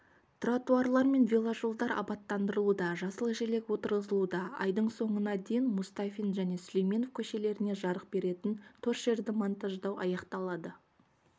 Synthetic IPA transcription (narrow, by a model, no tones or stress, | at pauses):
t̪rat̪uarlˠɑɾme̞nvʲilˠaʒolˠd̪ɑɾɑ̰pɑt̪ːɑnd̪əɾəlˠud̪ɑʒɑsəlˠəʒele̞kwo̞t̪əɾʁəzəlˠud̪ɑɑ̰jd̪əɴso̞ɴənɑd̪ejɪnmʊst̪afʲinʒæne̞slejmʲe̞nofkʲʰɵʃe̞le̞ɾɪne̞ʒɑɾəqbe̞ɾe̞t̪ɪnt̪ʰɵɾʒe̞ɾd̪ɪmont̪aʒd̪ɑwɑ̰jɑqt̪ɑlˠɑd̪ə